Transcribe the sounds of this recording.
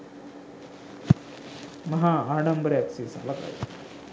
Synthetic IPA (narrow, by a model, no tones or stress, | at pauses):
mɐɦaːaːɖɐmbɐɾɐɐksisa̰lɐka̰j̰